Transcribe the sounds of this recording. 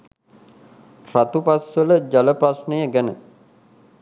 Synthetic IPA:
rat̪upasʋələd͡ʒaləprasnəjəɡænə̰

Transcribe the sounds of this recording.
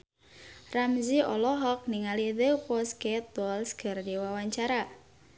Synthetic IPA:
ramziʔɔlɔɦɔk̚niŋaliðəkwɔsket̪̚wɔlsɡ̥ə̤rdiwawaɲt͡ʃaɾa

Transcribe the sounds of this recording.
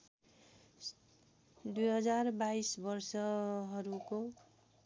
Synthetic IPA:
d̪ujɦʌd͡zarbaisbʌrsʌɦʌɾuko

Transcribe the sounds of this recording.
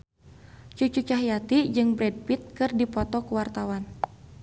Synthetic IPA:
t͡ʃut͡ʃut͡ʃaɦjat̪id͡ʒɨŋbɾɛd̚pit̪̚kɨrdipɔt̪ɔkuwart̪awan

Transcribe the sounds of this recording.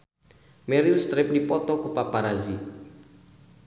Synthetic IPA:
mɛɾilst̪ɾɪp̚dipɔt̪ɔkupapaɾazi

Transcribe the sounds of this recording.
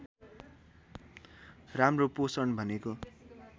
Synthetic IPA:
ramroposʌɳbʱʌneko

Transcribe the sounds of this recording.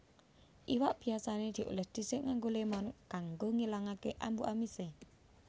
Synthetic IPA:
ʔiwaʔb̥i̤asaned̪̥i̤ʔṵlɛhd̪̥i̤sɪʔŋaŋɡolemɔnkaŋɡoŋilaŋakeʔambuʔamise

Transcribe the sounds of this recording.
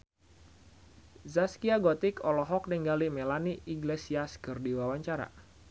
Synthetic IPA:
zaskiaɡɔt̪ikɔlɔɦɔk̚nɛŋɡalimɛlaniʔiɡlesiaskɨrdiwawaɲt͡ʃaɾa̰

